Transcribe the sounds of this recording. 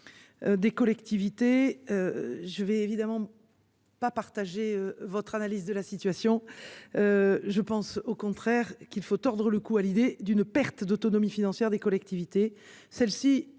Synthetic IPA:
ød̪ekɔlɛkt̪ivit̪eøʒəvɛevid̪amɑ̃ | papaʁt̪aʒeøvɔt̪χanalizd̪əlasit̪ɥasjɔ̃øʒəpɑ̃sokɔ̃t̪χɛʁkilfot̪ɔʁd̪ʁələkualid̪ed̪ynpɛʁt̪d̪ot̪ɔnɔmifinɑ̃sjɛʁd̪ekɔlɛk̚t̪ivit̪e | sɛlsi

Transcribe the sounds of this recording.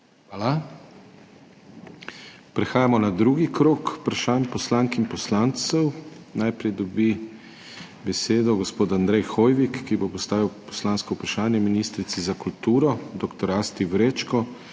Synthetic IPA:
ʋaːla | pɾɛxaːjamɔnad̪ɾuːɡikɾoːkpɾaʃaːnpɔslaŋkimpɔslant̪sɛwnajpɾɛjd̪ɔbi | bɛseːd̪ɔɡɔspoːt̪and̪ɾɛjxoːjʋikːibopɔst̪aːʋiwpɔ̥slaːnskɔupɾaʃaːnjɛminist̪ɾit̪sizakult̪uːɾɔd̪ɔkt̪ɔɾast̪iwɾeːt͡ʃkɔ

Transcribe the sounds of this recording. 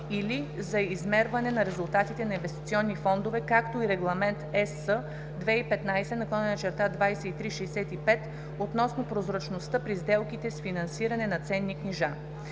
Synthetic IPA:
ilizɐizmɛɾvɐnɛnɐɾɛzulˠt̪at̪it̪ɛnɐinvɛst̪it̪sʲiɔnːifɔnd̪ovɛkakt̪oiɾɛɡlˠɐmɛnt̪ɛsə | d̪vɛipɛt̪najsɛnɐklˠɔnɛnɐt͡ʃɛɾt̪ad̪vajsɛit̪ɾiʃɛjsɛt̪ipɛt̪ | ot̪nɔsnopɾozɾɐt͡ʃnost̪ɤpɾizd̪ɛlˠkit̪ɛsfinɐnsiɾɐnɛnɐt̪sɛnːikniʒa

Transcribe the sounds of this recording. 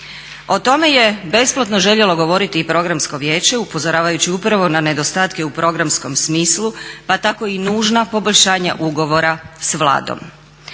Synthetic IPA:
o̞t̪o̞me̞je̞be̞splˠot̪no̞ʒe̞ʎe̞lˠo̞ɡo̞ʋo̞ɾit̪iːpɾo̞ɡɾamsko̞ʋjeːt͡ɕeupo̞zoɾaːʋajut͡ɕiupɾaʋo̞nane̞d̪o̞st̪aːt̪keupɾo̞ɡɾamsko̞msmiːslˠupat̪ako̞inuːʒnapo̞bo̞ʎʲʃaːɲa̰ʔuɡo̞ʋo̞ɾasʋlˠa̰ːd̪o̰m

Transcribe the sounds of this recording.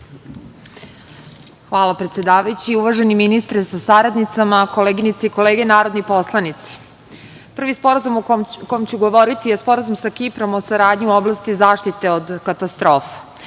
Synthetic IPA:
xʋaːlapɾet̪sjed̪aːʋajut͡ɕiuʋaʒe̞niminist̪ɾesasaɾad̪nit̪samakoleːɡinit̪seiko̞leːɡe̞naːɾo̞d̪nipo̞slˠanit̪se̥ | pr̩ʋispo̞ɾazumokojmt͡ɕuɡo̞ʋo̞ɾit̪ijespo̞ɾazumsakipɾo̞mosaɾaːd̪ɲioblˠast̪izaːʃt̪it̪e̞od̪kat̪ast̪ɾo̞ːfḁ

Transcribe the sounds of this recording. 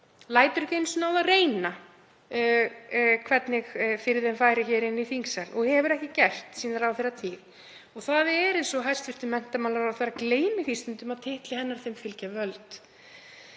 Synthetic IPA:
laːjt̪ʏɾcejnsʏnaːwðareːjna | kʰvɛt̪nɪɣfɪɾɪðɛjnfaːjɾɪçɛːɾɪniθiŋksalɔɣhɛvʏɾɛhcɪcɛr̥t̪siːnaɾawθɛːɾːat̪ʰiːɣ | ɔɣθaðɛɾejnsɔɦajst̪fɪ̥r̥t̪ɪmɛn̥t̪amawlaɾawθeɾakleːjnɪθist̪ʏnt̪ʏmaðt̪ʰɪht̪lɪhɛnːaɾ̥θejmfɪlcavœlt̪

